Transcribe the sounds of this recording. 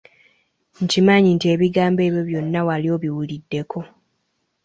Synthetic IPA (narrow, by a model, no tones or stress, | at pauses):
ɲcimaɲintieːβiɡaːmbe̞ːβjo̞βjo̞nːawalio̞βiwulidːe̞ko̞